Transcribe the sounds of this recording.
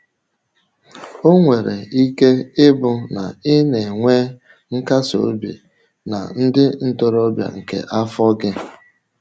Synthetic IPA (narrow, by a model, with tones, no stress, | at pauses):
o˦ŋʷe˨ɾḛ˨i˦ke˦ɪ˦bʊ˦na̰˨ɪ˦ne˨ŋʷe˦ | ŋ̩˦ka˦so̰˨˦bḭ˨ | na̰˨n̩˦dɪ˦n̩˦to˦ɾɔ˦bja̰˨ŋ̩˨kḛ˨ʔa˦fɔ˦ɡɪ˦